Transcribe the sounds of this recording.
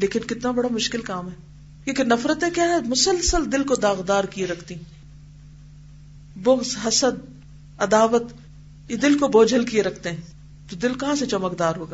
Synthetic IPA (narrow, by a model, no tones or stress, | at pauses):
leːkɪnkɪt̪nabɐɽamʊʃkɪlkaːmɦɛː | jeːkɪnːɐfɾət̪ẽkjaːɦɛmʊsəlsəld̪ɪlkod̪aːɣd̪aːɾkieɾɐkʰt̪ĩ | bʊxzɦɐsəd̪̚ | ɐd̪aːʋət̪ | jed̪ɪlkoboːd͡ʒəlkieɾɐkʰt̪ẽɦɛ̃ː | t̪od̪ɪlkɐɦãset͡ʃɐməkd̪aːɾɦoːɡa